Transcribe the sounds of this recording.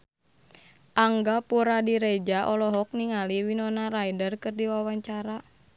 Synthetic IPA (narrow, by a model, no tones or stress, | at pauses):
ʔaŋɡapuɾadiɾed͡ʒaʔɔlɔɦɔk̚niŋaliwinɔnaɾajdərkɨrdiwawaɲt͡ʃaɾa